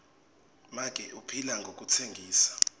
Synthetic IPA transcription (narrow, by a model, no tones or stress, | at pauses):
mak̬ʼɛʔupʰilaŋɡʱok̬ʼut͡sʰeŋɡʱiːsḁ